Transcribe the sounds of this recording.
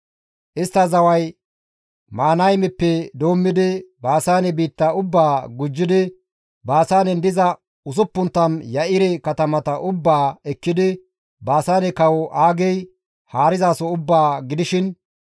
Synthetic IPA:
ʔɪst̪ːɐzɐwɐj | maːnɐjmɛpːɛd̪oːmːɪd̪ɪbaːsaːnɛbiːt̪ːɐʊbːaːɡʊd͡ʒːɪd̪ɪ | baːsaːnɛnd̪ɪzɐ | ʊs̬ʊpːʊnt̪ːɐnjɐʔɪɾɛkɐt̪ɐmɐt̪ɐʔʊbːaːɛkːɪd̪ɪ | baːsaːnɛkɐwɔʔaːɡɛj | haːɾɪzaːsɔʊbːaːɡɪd̪ɪʃɪn

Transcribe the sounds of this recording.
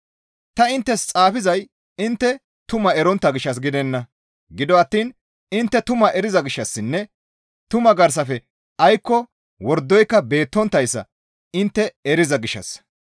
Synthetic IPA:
t̪ɐɪnt̪ːɛst͡sʼaːfɪzɐj | ɪnt̪ːɛ | t̪ʊmɐɛɾɔnt̪ːɐɡɪʃːɐs̬ɡɪd̪ɛnːɐ | ɡɪd̪ɔɐt̪ːiːn | ɪnt̪ːɛt̪ʊmɐʔɛɾɪzɐɡɪʃːɐsːɪnːɛ | t̪ʊmɐɡɐɾs̬ɐfɛ | ɐjkːɔ | wɔɾd̪ːɔjkːɐbe̞ːt̪ːɔnt̪ːɐjsːɐ̰ | ɪnt̪ːɛɛɾɪzɐɡɪʃːɐ̰s

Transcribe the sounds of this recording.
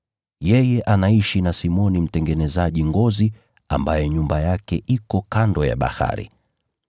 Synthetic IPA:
jɛjɛʔanaiʃinasimɔnim̩tɛŋɡɛnɛzaʄiŋɡɔzi | a̰mbajɛɲumbajakɛ̰ʔikɔkandɔja̰ɓa̰ha̰ɾḭ

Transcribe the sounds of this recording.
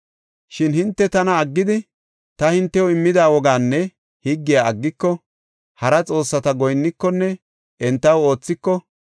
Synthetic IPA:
ʃɪnhɪnt̪ːɛt̪ɐnɐːɡːɪd̪ɪ | t̪ɐhɪnt̪ːɛwɔɪmːɪd̪aːwɔɡaːnːɛ | hiɡːɪjaɐɡːɪkːɔ | hɐɾɐt͡sʼo̞ːsːɐt̪ɐɡɔjnːɪkːɔnːɛ | ɛnt̪ːɐwo̞ːt͡sːɪkːɔ

